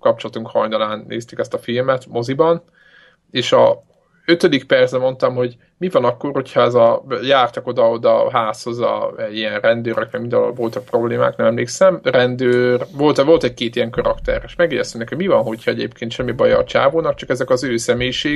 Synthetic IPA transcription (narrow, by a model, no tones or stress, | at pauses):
kɒp̚t͡ʃolɒt̪uŋkhɒjnɒlaːnːḛːst̪ekɛst̪ɒfilmɛt̪mo̞zibɒn | eːʃɒ | øt̪ød̪ikpɛrzsɛmo̞nt̪ɒmɦo̞ɟ | mivɒnɒkːoːrho̞cʰhɒɛzɒjaːrt̪ɒko̞d̪ɒod̪ɒɦaːsho̞zɒ̰ɛɟiɛnrɛnd̪øːɾɛkmɛɡmind̪ɒno̰lvo̞lt̪ɒk̚pro̞bleːma̰ːknɛmɛmleːksɛmrɛnd̪øːrvo̞lt̪vo̞lt̪ɛc̚keːt̪ijɛŋkɒɾɒkt̪ɛ̰reːʃmɛɡjɛ̰ɟɛ̰st̪ymnɛkhoɟmivɒnɦo̞chɒɛɟḛːpkeːnʃɛmːibɒjɒ̰ːt͡ʃa̰ːvoːnɒkt͡ʃɒkɛzɛkɒzøːsɛmeːjiʃeː